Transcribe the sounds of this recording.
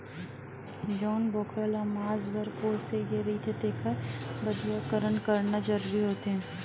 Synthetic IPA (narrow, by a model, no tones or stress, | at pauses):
d͡ʒɔːnboːkɾaːlamaːzbəɾpoːsejeɾit̪ʰed̪eːkʰəbɐd̪ijakəɾənkɐɾnad͡ʒɐɾuːɾiɦoːt̪eɦɛ̃ː